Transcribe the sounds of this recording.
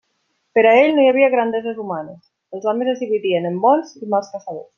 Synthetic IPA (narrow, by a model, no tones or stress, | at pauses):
peɾaeʎnojaβ̞iaɣ̞ɾand̪ezezumanes | elˠzɔmezezðiβiðienembɔnzimalˠskasaβḛs